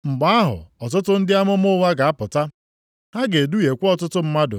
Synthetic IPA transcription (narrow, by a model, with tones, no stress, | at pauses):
ŋ͡m̩˨ɡ͡ba˨a˦ɦʊ̰˨ɔ˨tʊ˦tʊ˦n̩˦dɪ˦a˦mʊ˦m˦ʊ˦wa˦ɡa˨a˦pʊ˨ta˦ | ha˦ɡe˨du˦je˨kʷɔ˦tʊ˦tʊ˦m̩˦ma˦dʊ̰˨